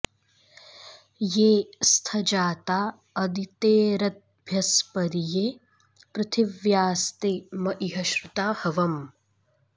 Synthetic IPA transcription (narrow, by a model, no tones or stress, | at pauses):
jeːst̪ʰɐd͡ʒaːt̪aː | ɐd̪it̪eːɾɐt̪̚bʱjɐspɐɾijeː | pɾɐt̪ʰiʋjaːst̪eːmɐʔiɦɐʃɾut̪aːhɐʋɐm